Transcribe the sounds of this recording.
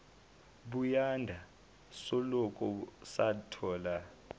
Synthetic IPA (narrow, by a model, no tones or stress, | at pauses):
ɓujandʱa | sɔlɔkʼɔsatʰɔːla